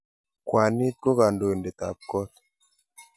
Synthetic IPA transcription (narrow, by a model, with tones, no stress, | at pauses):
kwa˨nɪ˦t̪̚ko˦ka˨ndo˨e˨nde˨t̪a̰˨p̚kɔ˦t̪